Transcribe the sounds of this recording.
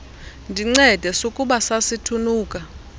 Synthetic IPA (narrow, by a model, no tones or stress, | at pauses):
ndʱiŋ͡ǀɛd̥ʱɛsokʼuɓasasitʰunuːkʼa